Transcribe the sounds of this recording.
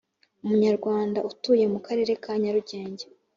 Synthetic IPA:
umuɲaɾɡwaːndautuːje̞mukaɾe̞ːɾe̞kʰaːɲaɾuɟe̞ːɲɟe

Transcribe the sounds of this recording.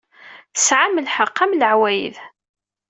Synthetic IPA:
θəsʕaməlħəqːæmləʕwæjə̰ð

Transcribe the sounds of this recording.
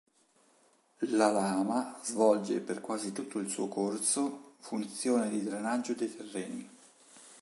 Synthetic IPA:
lalaːmazvɔld͡ʒḛperkwaːzit̪ut̪ʰːoilsṵːokorsofunt̪sjoːned̪id̪ɾenad͡ʒːod̪ejt̪ʰerːɛːni

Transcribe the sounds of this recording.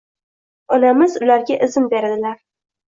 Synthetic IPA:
ɒnamɪzʊlaɾɡʲaʔɪzɪmbe̞ɾad̪ɪlaɾ

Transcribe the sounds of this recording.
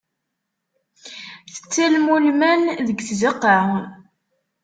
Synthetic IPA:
θə̥t͡sːælmulmænðəɡθziqːɑʕʊn

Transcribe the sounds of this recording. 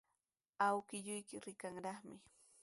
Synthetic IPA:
awkɪʎʊjkɪɾɪkaŋɾɑχmɪ

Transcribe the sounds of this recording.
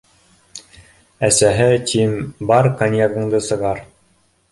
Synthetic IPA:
æsæɦɘt̪ʲʰimbɑɾkanʲjaɾɡɤ̆ɴd̪ɤsɤ̆ʁɑɾ

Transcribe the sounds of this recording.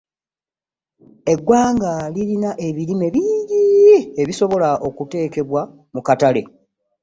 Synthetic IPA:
e̞ɡːwaːŋɡalilinaʔe̞βilime̞βiːɲɟieβiso̞βo̞laʔo̞kute̞ːke̞βwa | mukatale̞̰

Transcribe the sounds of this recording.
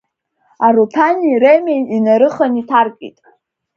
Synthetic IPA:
aɾutʰaniremejinaɾɨχanitʰarkʼḭtʼ

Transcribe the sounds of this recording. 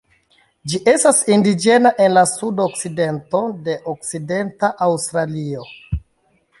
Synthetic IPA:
d͡ʒiʔe̞stasindid͡ʒe̞naʔe̞nlasudo̞kside̞nto̞de̞ʔok̚side̞ntaʔawstɾalio̞

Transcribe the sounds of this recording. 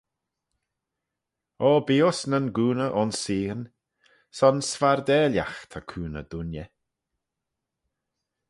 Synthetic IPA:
ɔːbiːosnənɡuːnəʔɔnsiːən | sɔnsvaɾd̪ɛːlʲja̰xt̪ʰakʰuːnə̰d̪ʊnjɛ

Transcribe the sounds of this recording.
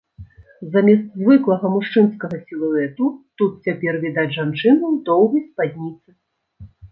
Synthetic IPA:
zamʲɛst̪zʲvɨklˠɐɣɐmuʂt͡ʂɨnskɐɣɐsʲilˠuɛt̪ut̪ut̪̚t͡sʲapʲɛrvʲid̪ad͡zʲʐant͡ʂɨnɐwd̪ɔwɣɐjspad̪ʲnʲit̪sɨ

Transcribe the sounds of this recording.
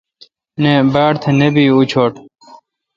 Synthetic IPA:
nebaːɽt̪ʰenebiːut͡ɕʰoːʈ

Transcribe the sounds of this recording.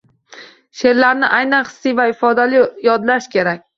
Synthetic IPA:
ʃe̞ɾlaɾnɪʔajnanχɨ̥sːijvaɪfɒd̪alijɒd̪laʃkʲʰe̞ɾakʲ

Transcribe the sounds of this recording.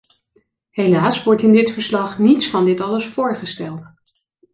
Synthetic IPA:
ɦelaːsʋɔɹtɪndɪtfəɹslɑχnitsfɑndɪtɑləsfʊːɹχəstɛlˠt

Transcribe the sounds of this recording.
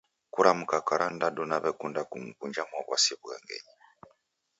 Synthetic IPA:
kuɾamukakaɾʔandadɔnaβɛkundakum̩kund͡ʒamwaβwa̰siɛβuɣɛ̰ŋɡɛ̰ɲi

